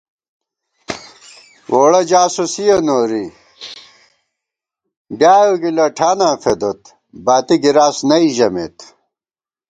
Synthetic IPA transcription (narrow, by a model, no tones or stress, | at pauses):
woːɽɐd͡ʑaːsusijɐnoːɾi | bjaːjoɡilɐʈʰaːnãːfed̪ot̪ | baːt̪iɡiɾaːsnɐiʑɐmḛt̪